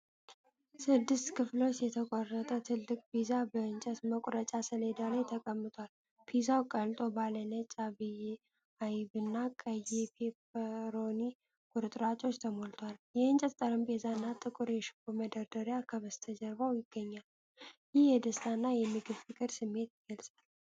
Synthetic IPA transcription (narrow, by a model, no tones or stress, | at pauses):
sɨd̪ːɨst̪kʰɨflo̞t͡ʃjɛt̪ʰəkʷʼɔrːət̪ʼət̪ʰɨlːɨkʼbizabəɨnt͡ʃʼət̪məkʷʼɾət͡ʃʼasəled̪alajt̪ʰəkʼəmːɨt̪ʰʼwal | pʰizawkʼəlt̪ʼo̞balənət͡ʃʼaβij | ajβɨnːakʼəjepʰepəɾo̞ni | kʼuɾɨt̪ʼɾat͡ʃʼo̞t͡ʃːt̪ʰəmo̞lt̪ʰwaljɛɨnt͡ʃʼɛt̪t̪ʼəɾəmpʼezanːat̪ʼɨkʼɨɾjɛʃɨ̥kʼuməd̪əɾd̪əɾjakʰəβəst̪ʰəd͡ʒəɾbawjɪɡ̥ːəɲːal | jɪhjɛd̪əst̪ʰanːajɛmːɨɡɨβfɨkʼɨɾsɨmːe̞t̪jɪɡ̥əlsʼal